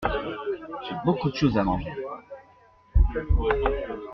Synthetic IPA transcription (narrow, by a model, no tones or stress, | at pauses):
ʒɛbokud̪ʃozamɑ̰̃ʒe